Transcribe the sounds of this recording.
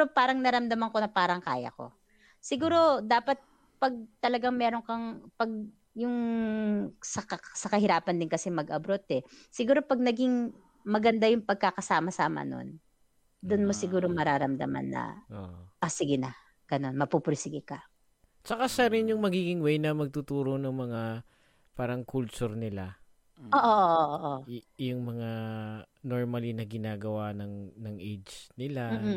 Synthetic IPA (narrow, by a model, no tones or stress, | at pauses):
opaːɾɐŋnɐɾɐmd̪ɐmɐŋko̞nɐpaːɾɐŋkaːjɐ̰ko̞̰ | sɪɡuːɾo̞d̪aːpɐt̪̚ | pɐɡ̚t̪ɐlɐɡaŋmɛːɾoŋkɐŋpɐɡ̚ | jʊŋ | sɐɐsɐkɐhɪɾaːpɐnd̪ɪnkɐsɛmɐɡʔɐbɾot̪ɛsɪɡuːɾo̞pɐɡ̚nɐɡɪŋ | mɐɡɐnd̪ajʊŋpɐɡ̚kakɐsaːmɐsaːmɐ̰no̞̰n | d̪ʊnmo̞sɪɡuːɾoŋmɐɾaːɾɐmd̪ɐ̰ma̰nːɐ̰ʔoʔɐsɪɡɪnɐ | ɡ̥ɐno̞nmɐpupɾsɪɡɪkɐ | t͡ʃɐkaʃɐɾɪnjʊŋmɐɡiːɡɪŋwɛjnɐmɐɡ̚t̪ut̪uːɾo̞nɐŋmɐŋa | paːɾɐŋkʰʊlt͡ʃʊɾnɪla | ʔoːʔoʔoʔʔoʔojʊŋmɐŋa | noɹmɐlinɐɡɪnaːɡɐwanɐŋnɐŋʔɛjd͡ʒnɪlam̩ː